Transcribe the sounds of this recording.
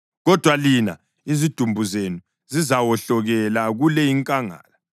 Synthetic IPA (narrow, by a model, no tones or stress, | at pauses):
ɣɔd̥ʱwalina̰ | izid̥ʱumbʱuzenu | zizawɔɬɔɣɛlaɣulɛiŋkʼaŋa̰ːla